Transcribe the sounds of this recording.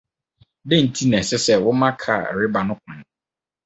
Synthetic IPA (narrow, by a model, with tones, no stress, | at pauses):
dɪ̃˦˨n̩˨tʰi˦nɛ̃˨sɛ˦sɛ˦˨wɔ˦mã˦kʰa̰˨ɾɪ˦ba˨nʊ̃˦kʰʊ̃˨